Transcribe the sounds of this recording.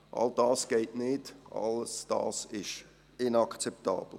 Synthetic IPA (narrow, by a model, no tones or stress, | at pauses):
ʔɑ̰ld̥ɑːsɡ̥eɪtnɪdʔɑ̰ləsd̥ɑ̰ːsɪʃ | ɪnɑkt͡sɛp̚tɑ̰ːb̥l̩